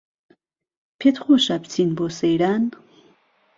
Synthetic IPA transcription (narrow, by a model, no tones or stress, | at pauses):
pʰet̪χoʃapt͡sʰinbosejɾan